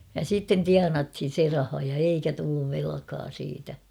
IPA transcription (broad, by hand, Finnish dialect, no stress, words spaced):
jɑ sitːen tiɑnɑthin̞ se rɑhɑ jɑ eikæ tulːuʋ ʋelɑ̆kɑː siːtæ